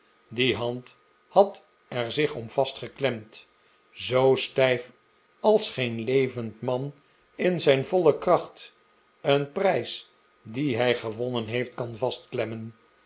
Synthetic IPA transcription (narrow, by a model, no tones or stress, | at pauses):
diɦɑnt | hɑt | ɛɹzɪχɔmv̥ɑstχəklɛmt | zowstɛjf | ɑlˠsχejnlejvəntmɑn | ɪnzɛjnvɔləkrɑχt | ənprɛjs | diɦɛjχəʋɔnənɦejft̚kɑnvɑstklɛmən